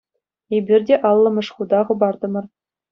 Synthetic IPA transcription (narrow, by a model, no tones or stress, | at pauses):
ebʲirʲdʲeʔɑlˠːɤ̆mɤ̆ʂχud̪ɑʁɤ̆bɑrd̪ɤ̆mɤ̆r